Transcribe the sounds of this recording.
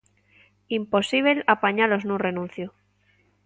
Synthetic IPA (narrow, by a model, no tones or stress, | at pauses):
impo̞siβ̞elapaɲaloznũrenũn̟θjo